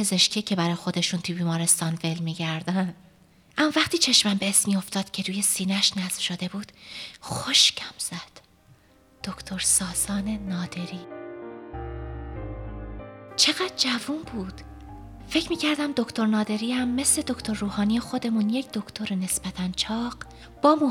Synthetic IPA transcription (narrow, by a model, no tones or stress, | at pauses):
pʰe̞ze̞ʃkcʰecʰe̞bæɾɒːjexo̞d̪e̞ʃunt̪ʰubiːmɒːɾe̞st̪ɒːnve̞lmiːɟæɾd̪ænd̪ | ʔæmːɒːvæχt̪iːt͡ʃʰe̞ʃmæmbeːsmiːo̞ft̪ɒːd̪̥cʰe̞ɾuːje̞siːnæʃnæzfʃo̞d̪e̞buːd̪̥xoʃcʰæmz̥æd̪̥ | d̪̥okʰt̪ʰoɾsɒːsɒːne̞nɒːd̪e̞ɾiː | t͡ʃʰe̞ɣæd̪̥̚d͡ʒævuːnbuːd̪̥ | fe̞cʰmiːcʰæɾd̪æmd̪o̞ct̪ʰo̞ɾnɒːd̪e̞ɾiːhæmːe̞sle̞d̪okʰt̪ʰo̞ɾːuːhɒːnijexo̞d̪e̞munjecd̪o̞kʰt̪ʰo̞ɾene̞sb̥æt̪ʰænt͡ʃʰɒːɢ | b̥ɒːmu